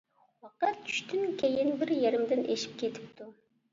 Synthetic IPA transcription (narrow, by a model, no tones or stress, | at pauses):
wɑqɑt̪̚ʰy̥ʃt̪ɪnkʲʰejɪnbɪɾjeɾɪmd̪ɪnʔeʃɪ̥p̚kʲʰet̪ʰɪ̥p̚t̪ʰu